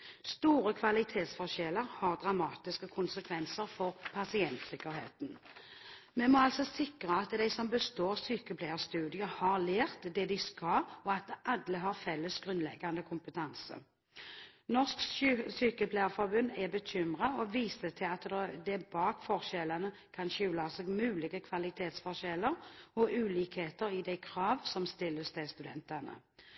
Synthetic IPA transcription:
st̪uːɾəkʰʋɑlɪt̪ʰeːt̪sfɔʃɛləʁhɑʁd̪ʁɑmɑːt̪ɪskəkʰʊnsəkʰʋɛnsəʁfɔʁpʰɑsɪɛnt̪sɪkːəʁhḛːt̪n̩ | mɛmɔɑlsɔsɪkʁəɑt̪d̪æɪsɔmbəst̪oːʁsyːkəpʰlæɪəst̪ʉːd̪ɪəhɑʁleːʁt̪d̪ɛd̪ɪskɑɔɑt̪̚d̪ɛʔɑd̪ləɦɑʁfɛlːəsɡ̥ʁʉnlɛ̰ɡːɑnd̪əkʰʊmpət̪ʰɑnsə̰ | nɔsksyːkəpʰlæɪəfɔɾbʉnd̪ɛbəçʏmʁɑɔʋiːsət̪ʰɪlɑt̪d̪d̪ɛbɑːkfɔʁʃɛlənə | kʰɑnɕʉːlɑsɛɡmʉːlɪɡəkʰʋɑlɪt̪ʰeːt̪sfɔʁʃɛləʁɔʔʉːliːkheːt̪əʁɪd̪ɛɪkʰʁɑːʋsɔmst̪ɪlːəsd̪ɛst̪ʉd̪ɛnt̪ənə̰

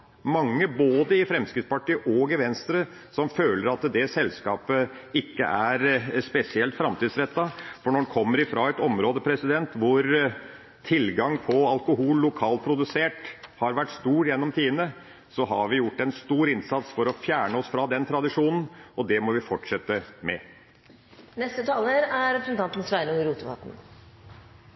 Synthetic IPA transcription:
mɑŋːəboːd̪əɪfɾɛmskɾɪt̪spɑʈiːʔɔɡɪʋɛnst̪ɾə | sɔmføːləɾɑt̪d̪ɛsɛlskɑːpəɪkːə̰ʔæɾspɛsɪɛlt̪fɾɑmt̪ʰiːd̪sɾɛt̪ːɑfɔɳɔɖkʰɔmːəɾɪfɾɑɛt̪ɔmɾoːd̪əpʰɾɛsɪd̪ɛnt̪ʋʊɾ | t̪ʰɪlɡɑŋpʰɔɑlkʊɦuːlːʊkʰɑːlt̪pʰɾʊd̪ʉseːʈhɑɾʋæʈːst̪uːɾjɛnːɔmt̪ʰiːd̪ənə | sɔɦɑɾʋɪjʊʈːɛnst̪uːɾɪnsɑt̪sfɔɾɔfjæːɳəɔsfɾɑd̪ɛnt̪ʰɾɑd̪ɪʂuːnn̩ɔd̪ɛmɔʋɪfɔʈʂɛt̪ːəmɛ | nɛst̪ət̪ʰɑːləɾæɾɛpɾəsɛnt̪ɑnt̪n̩sʋæɪnʊŋəɾuːt̪əʋɑ̰ːt̪n̩

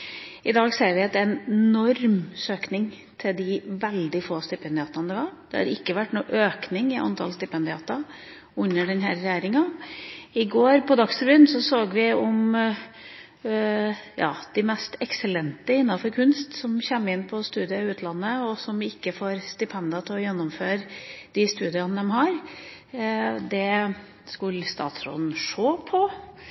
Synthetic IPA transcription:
ʔɪd̪ɑːɡseːɾʋɪɛt̪ːɛnɛnɔɾmsøːknɪŋ | t̪ʰɪld̪ɪʋɛld̪ɪfoːst̪ɪpʰɛnd̪ɪɑːt̪ɑnd̪ɛʋɑɾd̪̥ɛ̰hɑ̰ɾɪkːəʋæʈːnṵːʔøːknɪŋɪʔɑ̰nt̪ʰɑ̰lst̪ɪpʰɛnd̪ɪɑːt̪ɑ | ʉnːəɖɛnɦæːɾːjæːɾɪŋɑ | ɪɡoːɾpʰɔd̪ɑksfɾbyːnsɔsoːɡʋɪɔm | jɑ̰ːd̪̥ɪmɛst̪ɛksəlɛnt̪əɪnːɑfɔɾkʰʉnst̪sɔmçɛmːɪnːpʰɔst̪ʉːd̪ɪəɪʉːt̪ʰlɑnːəɔsɔmɪkːəfoːɾst̪ɪpʰɛnd̪ɪɑt̪ʰɪlɔjɛnːɔmføːɾd̪̥ɪst̪ʉːd̪ɪɑnəd̪ɛmɦɑɾ | d̪ɛ | skʉlːst̪ɑ̰ːt̪sɾo̰ːd̪n̩ʂoːpʰɔ

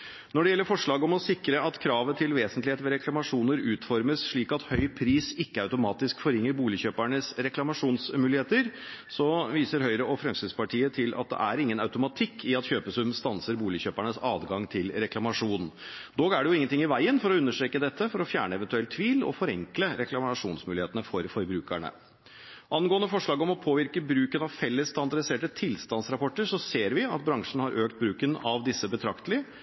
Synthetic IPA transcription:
nɔɖɛjɛlːəɾfɔʂɭɑːɡɔmɔsɪkɾəʔɑt̪kʰɾɑːʋət̪ʰɪlʋeːsənt̪lɪheːt̪ʋɛɾɛklɑmɑʂuːnəɾʉːt̪fɔɾməsʂɭiːkɑt̪hœʏpʰɾiːsɪkːəɑʉt̪ʊmɑːt̪ɪskfɔɾɪŋːəɾbuːlɪçøːpæɳəsɾɛklɑmɑʂuːnsmʉːlɪheːt̪əɾsɔʋiːsəɾɦœʏɾəɔfɾɑŋsɪspɑʈʰiːət̪ʰɪlʔɑ̰t̪̚d̪ɛ̰ʔæɾɪŋːənɑʉt̪ʊmɑt̪ʰɪkʰːɪɑt̪çøːpəsʉmst̪ɑnsəɾbuːlɪçøːpæɳəsɑːd̪ɡɑŋt̪ʰɪlɾɛklɑmɑʂuːnn̩d̪oːɡæɖɛjʊɪŋːənt̪ʰɪŋːɪʋæɪənfɔɾɔʉnːəʂʈɾeːkəd̪ɛt̪ʰːəfɔɾɔfjæːɳəɛʋɛnt̪ʉɛlt̪ʰːʋiːlɔ̰fɔɾɛŋkləɾɛklɑmɑʂuːnsmʉːlɪeːt̪ənəfɔɾfɔɾbɾʉːkæɳə̰ | ʔɑnɡoːənəfɔʂɭɑːɡɔmɔpʰoːʋɪɾkəbɾʉːkənɑʋfɛlːəst̪ɑnd̪ɑɾɪseːʈət̪ʰɪlst̪ɑnsɾɑpʰɔʈːəɾʂɔseːɾʋɪɑ̰t̪̚bɾɑŋʂɳ̩hɑɾʔøːk̚t̪̚bɾʉːkənɑʋd̪ɪsːəbət̪ʰɾɑkt̪əlɪə

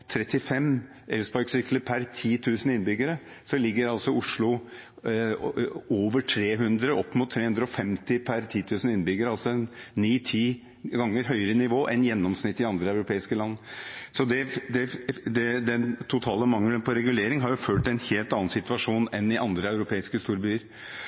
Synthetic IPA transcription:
t̪ʰɾɛt̪ːɪfɛm | ʔɛlsbɑɾksɪkləpʰæɾt̪ʰiːt̪ʰʉːsənɪnbʏɡəɾə | sɔlɪɡːəɾɑlsɔʊʂɭʊ | oːʋəʈʰɾeːɦʉnd̪ɾəʔɔpːmʊt̪ʰːɾeːhʉnd̪ɾəɔfɛmt̪ɪpʰæɾt̪ʰiːt̪ʰʉːsən̩ɪnːbʏɡəɾəɑlsɔɛnːiːt̪ʰiː | ɡɑŋːəɾɦœʏəɾənɪʋoːʔɛɪnjɛnːɔmsnɪt̪ːɪɑnd̪ɾəɑʉɾʊpʰeːɪskəlɑnːsɔd̪ɛd̪ɛd̪ɛd̪ɛnt̪ʰʊt̪ʰɑːləmɑŋlənpʰɔɾɛɡʉleːɾɪŋɦɑɾjʊføːʈ̪ɛnheːlt̪ɑnːɑnsɪt̪ʋɑʂuːnɛnɪʔɑnd̪ɾəɑʉɾʊpʰeːɪskəst̪uːɾbyːəɾ

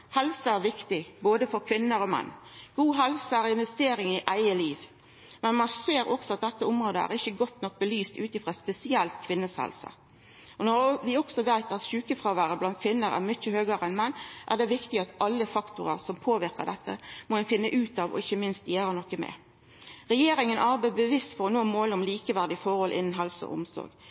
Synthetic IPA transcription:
hɛlsəæɾʋɪkt̪ɪboːd̪əfɔɾkʰʋɪnːəɾɔmɛ̰nːɡ̥uːɦɛlsəæɾɪnʋɛst̪eːɾɪŋɪʔæɪəliːʋ | mɛnmɑnseːɾɔksɔɑt̪̚d̪ɛt̪ːəʊmɾoːd̪əæ̰ɾɪçːəɡɔt̪ːnɔk̚ːbəlyːst̪ʉːt̪ɪfʁɑspɛsɪɛlt̪kʰʋɪnːəshɛ̰lsə̰ | ʔɔnɔʋɪɔksɔʋæɪt̪ɑt̪ʃʉːkəfʁɑːʋæːɾəblɑnt̪̚kʰʋɪnːəɾæ̰ʁmʏçəhøːɡəɾəɛnmɛnːʔæʁd̪ɛʋɪkt̪ɪɑt̪ɑlːəfɑkt̪ʊɾəʁsɔmpʰoːʋɪɾkə̰ʁd̪ɛt̪ːə̰mɔnfɪnːəʔʉːt̪ɑːʋɔ̰ɪçːəmɪnst̪jæːɾənɔkːəmɛ̰ | ʁɛjeːɾɪŋənʔɑɾbæɪbəʋɪst̪fɔɾɔnoːmoːləɔmliːkəʋæʁd̪ɪfɔɾhɔlʔɪnn̩ɦɑlsɔ̰ʔʊ̰msɔ̰ɾɡ

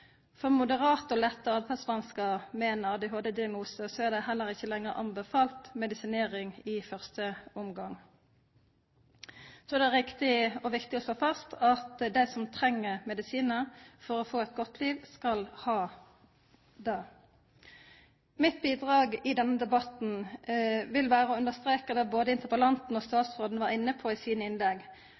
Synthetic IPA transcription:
fɔʁmʊd̪əʁɑːt̪ɔlɛt̪ːəɑd̪fʰɛsmɑnskəʁmeːnəʁd̪ɪɦoːd̪ɛd̪ɪɑɡnuːsəsɔɛʁd̪ɛɦɛlːəʁɪçːəlɛŋːəʁʔɑ̰mbəfɑːlt̪mɛd̪ɪsɪneːʁɪŋɪfœʁst̪əʊmɡɑŋ | sɔɛʁd̪ɛʁɪkt̪ɪɔʋɪkt̪ɪɔsloːfɑst̪ʰɑt̪d̪æɪsɔmt̪ʰʁɛŋːəʁmɛd̪ɪsiːnəʁfɔʁɔfoːɛt̪̚ɡɔt̪ʰliːʋskɑlhɑː | d̪ɑː | mɪt̪̚biːd̪ʁɑːɡɪd̪ɛnːəd̪ɛbɑt̪n̩ | ʋɪlʋæːʁəɔʉnd̪əʁst̪ɾʁeːkəd̪ɛboːd̪əɪnt̪əʁʋəlɑnt̪n̩ɔːst̪ɑːt̪sʁoːd̪n̩ʋɑːʁɪnːəpʰɔɪsiːnəɪnlɛɡ

